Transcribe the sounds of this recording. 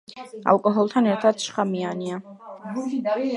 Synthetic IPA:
a̰lˠkʼɔɦɔlˠt̪ʰanɛɾt̪ʰad̪ʃχamiania

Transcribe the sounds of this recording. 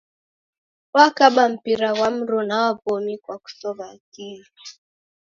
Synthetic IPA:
wakaɓam̩piɾawam̩ɾɔnawavɔmikwaku̥sɔvatiɾa

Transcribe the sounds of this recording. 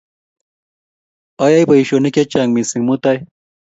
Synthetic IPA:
ajajpɐiɕonikʲet͡ɕaːŋɡmisiŋmut̪aj

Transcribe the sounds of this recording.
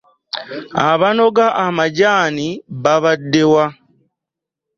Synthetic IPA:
aβano̞ɡaʔamaɟaːniβaβadːewa

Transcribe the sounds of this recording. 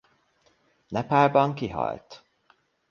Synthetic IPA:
nɛpaːrbɒŋkiɦɒ̰jt̪

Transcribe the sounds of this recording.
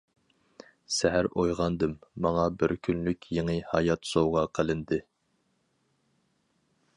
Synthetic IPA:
sɛɦæɾojʁɑnd̪ɨmːɑŋɑbɪɾkʲʰynlykʲjeŋɨhɑjɑt̪sowʁɑqʰəlˠɪnd̪ɨ

